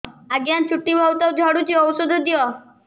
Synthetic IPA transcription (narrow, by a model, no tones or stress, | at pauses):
aɡjant͡ʃʰuʈːibʱɔwt̪ɔwd͡ʒʱɔɽut͡ʃiɔwsod̪ʱd̪ijɔ